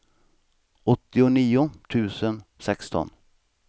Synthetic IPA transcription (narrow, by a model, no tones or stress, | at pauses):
ɔt̪ːɪʊniːʊt̪ʰʉ̟ːsənsɛkst̪ɔ̰n